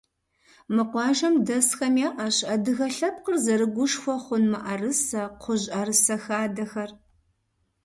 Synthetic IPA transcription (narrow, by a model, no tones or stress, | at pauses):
mɨqʷɑːʒɐmdɐsxɐmjaːʔɐɕɐdɨɣɐɬɐp̚qərzɐɾɨɡʷʊʃxʷɔχʷʊnmɨʔɐrɨsɐqʰʷʊʑʼɐrɨsɐxaːdɐxɐr